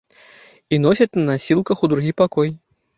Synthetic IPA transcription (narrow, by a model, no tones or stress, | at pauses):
inɔsʲɐt̪ʲnɐnasʲilˠkɐxud̪ɾuɣʲipakɔj